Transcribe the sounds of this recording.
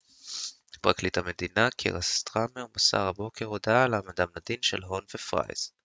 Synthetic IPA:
pʁaklit̪hame̞d̪inakʰḛʁast̪ʁamemasa̰ʁabo̞keʁod̪alamad̪amnad̪inʃelɦo̞nvefʁa̰jz̥

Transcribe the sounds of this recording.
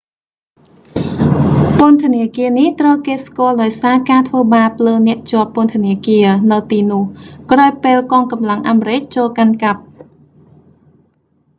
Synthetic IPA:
pʊənt̪ʰə̆əniəkiəniht̪rəwkeːskʊ̆əlɗaɔjsaːkaːt̪ʰʋəːɓaːpʰləːnɛ̆əʔt͡ɕŏəpːŏənt̪ʰəniəkiənɨwt̪iːnʊ̆əhkraːjpeːlkɑːŋkɑmlaŋʔaːmeɾɨc̚t͡ɕoːlkankap̚

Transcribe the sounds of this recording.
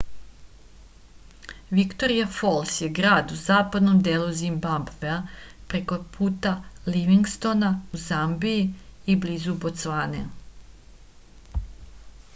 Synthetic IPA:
ʋikt̪o̞ɾijafolˠsjeɡɾaːd̪uzaːpad̪no̞md̪eːlˠuzimbabveapɾe̞ko̞pʰuːt̪aliʋiŋɡst̪o̞nauzambiiibliːzubot̪sʋaːnḛ

